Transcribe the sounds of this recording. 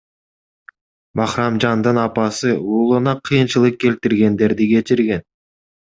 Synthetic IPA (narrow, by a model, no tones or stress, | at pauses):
bɑχɾɑmd͡ʒɑnd̪ɯnɑpɑsɯuːlˠunɑqʰɯjɯnt͡ʃɯlˠɯq̚kʲʰe̞lt̪ɪɾɡʲe̞nd̪e̞ɾd̪ɪkʲʰe̞t͡ʃɪɾɡʲe̞n